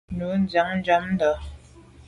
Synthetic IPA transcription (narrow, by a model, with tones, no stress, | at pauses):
nu˨˦n˦d͡za˨˦ŋn̩˦d͡ʒa˦mn˦dɔ˨˦